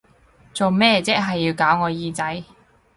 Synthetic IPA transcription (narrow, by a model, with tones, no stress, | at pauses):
t͡so˨wmɛː˥t͡sɛː˥k̚ɦɐ˨jːiː˧wkaː˨˥wŋɔː˨˧jiː˧t͡sɐ˨˥j